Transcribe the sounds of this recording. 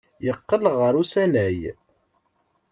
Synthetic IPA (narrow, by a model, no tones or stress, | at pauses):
jəqːələʁəɾusænæj